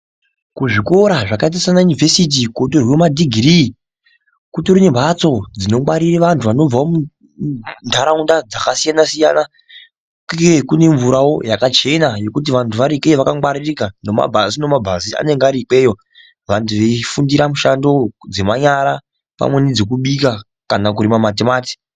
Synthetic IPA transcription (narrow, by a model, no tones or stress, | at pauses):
kuʐiko̞ɾaʐakait̬asanajunivʱe̞sit̬ikotorwomadʱiɡʱiri | kutoɾinembʱat͡so̞d͡zino̞mwaɾiriʋantʰuʋano̞b͡vaomu | ndʱaɾaundad͡zakasijanasija̰na | kekune̞ɱvuɾawo̞jakat͡ʃe̞naje̞kut̬iʋantʰuʋaɾikeʋakaŋwaɾirikanoma̰bʱasino̞mabʱazia̰ne̞ŋɡaɾik͡pe̞ːjo̞ | ʋantʰuʋeifundiɾamuʃando̞d͡ze̞maɲaɾa | pa̰mwe̞nid͡zekuɓika | kanak̬uɾimamatimaːti̥